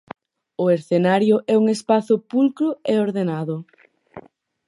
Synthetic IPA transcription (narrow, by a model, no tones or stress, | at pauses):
ʊeɾθenaɾjʊʔɛuŋespaθʊpulkɾʊeoɾðenaðʊ